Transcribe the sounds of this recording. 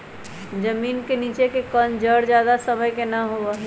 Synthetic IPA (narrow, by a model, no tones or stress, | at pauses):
d͡ʒəmiːnkenit͡ʃekekənd͡ʒəɽd͡ʒjaːd̪asəməjkenəɦoə